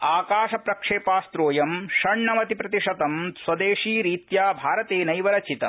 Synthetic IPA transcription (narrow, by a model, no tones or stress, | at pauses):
aːkaːʂɐpɾɐkʂeːpaːst̪ɾoːjɐmʃɐɳɳɐmɐt̪ipɾɐt̪iʂɐt̪ɐmswɐd̪eːʂiːɾiːt̪jaːbʱaːɾɐt̪eːnɐjʋɐɾɐt͡ʃit̪ɐ̰